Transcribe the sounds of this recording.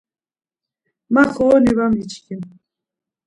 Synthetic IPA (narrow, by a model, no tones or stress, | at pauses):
maχɔːniβamit͡ʃkʰim